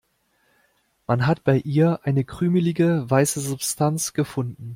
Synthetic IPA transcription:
manɦatb̥aɪʔiːɐʔaɪnəɡʁ̥yːməlɪɡəvaɪsəzʊpstʰant͡sɡ̥əfʊndn̩

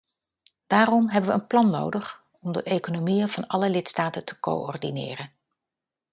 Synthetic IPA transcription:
d̥aːrɔmɦɛbəʋəənplɑnːo̰wdəχ | ɔmdəʔejkonomijəvɑnɑləlɪtstaːtətə̥ko̰wʔɔ̰rdinɪ̰ːrən

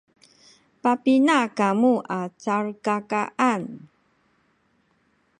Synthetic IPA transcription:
papinakamuʔat͡saɾkakaʔan

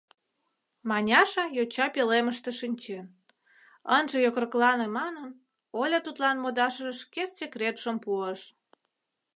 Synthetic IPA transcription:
mɑnʲɑʃɑjot͡ɕɑpeleməʃt̪eʃinʲt͡ɕen | ənʒĕjokrəklɑnemɑnən | olʲɑt̪ut̪lɑnmod̪ɑʃəʒəʃkessʲekrʲet̪ʃəmpuəʃ

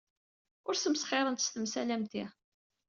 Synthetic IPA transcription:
ʊɾsəmsχeɾˤənt̪əst̪əmsælæmt̪i

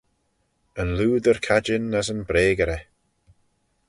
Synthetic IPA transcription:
ənluːd̪əɹkʰad͡ʒɪnːəzənbɾeːɡəɾɛ

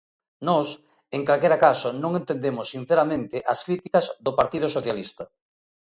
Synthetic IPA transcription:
nɔs | eŋkalkeɾakasʊnõŋẽnt̪end̪emʊsːin̟θeɾamẽnt̪ɪʔɐskɾit̪ikɐzðʊpaɾt̪ið̞ʊsoθjalist̪ɐ

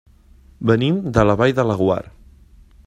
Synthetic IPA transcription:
bənimd̪ələβajðələɣwa̰ɾ

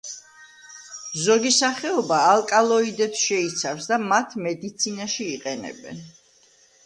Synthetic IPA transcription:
zɔɡisaχɛɔbaːlˠkʼalˠɔid̪ɛpsʃɛit̪sʰafsd̪amat̪ʰmɛd̪it̪sʰinaʃiːqʼɛnɛ̰bɛ̰n

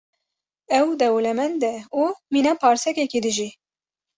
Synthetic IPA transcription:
ɛwd̪ɛwlɛmɛnd̪d̪ɛuminɑːpʰɑːɾsɛkɛkid̪ɨʒi

